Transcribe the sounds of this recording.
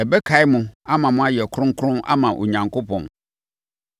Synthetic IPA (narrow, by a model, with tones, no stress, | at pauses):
ɛ˨bɛ˦kʰa˨˦ɪ˦mʊ̃˨a˦mã˨mʊ̃˦a˦jɛ˨kʰʊ˦ɾʊ̃˦ŋ˦kʰʊ̃˦a̰˦mã˨ʔo̰˨ɲã˨ŋko˦pʰɔ̃˨n